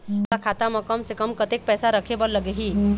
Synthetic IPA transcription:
t̪akʰat̪amɐkəmt͡ʃʰekəmkət̪ek̚pɛːsaɾəkʰebəɾləɡeɦi

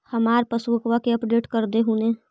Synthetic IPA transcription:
hɐmaːɾpəsuəkʋakeɐpɖeːʈkəɾd̪eɦuːnẽː

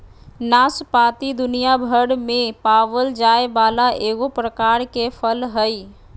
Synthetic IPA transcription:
naːspaːt̪id̪ʊnijabʱəɽmẽpaːʋəld͡ʒaːebaːlaʔeːɡopɾəkaːɾkepʰəlɦəi

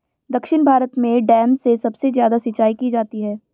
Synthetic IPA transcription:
d̪ɐkʃɪnbʱaːɾət̪mẽɖɛːmsesɐbsezjaːd̪asɪt͡ʃːaːikid͡ʒaːt̪iɦɛː

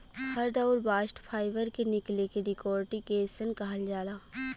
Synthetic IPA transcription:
hɐɾɖɐʊɾbaːʃʈpʰaːɪʋəɾkenɪklekeɾɪkɔːɾʈikeːsənkaɦəld͡ʒaːlaː

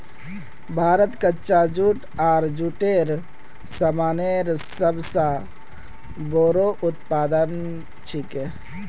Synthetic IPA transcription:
bʱaːɾət̪kətːt͡ʃad͡ʒuʈ | aːɾd͡ʒuʈeɾ | səmaneɾsəbsã | boɾoʔut̪pad̪ən | t͡ʃʰike

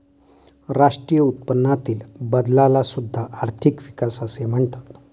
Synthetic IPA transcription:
ɾaʂʈɾijəut̪̚pənːat̪iːlbəd̪lalasud̪ʱːaʔːɾt̪ʰikʋikasasem̤əɳt̪ḁt̪

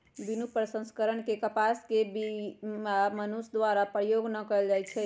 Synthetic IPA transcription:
binupɾəsə̃skəɾəɳkekəpaskebiamənusd̪waɾapɾəjoɡnəkəld͡ʒajt͡ʃʰɛ

